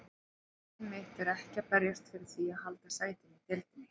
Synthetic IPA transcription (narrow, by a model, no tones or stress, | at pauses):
mɪht̪ɛɾɛhcapɛɾjast̪fɪɾɪɾ̥θiahalt̪asaːjt̪ɪnit̪ɛlt̪ɪnɪ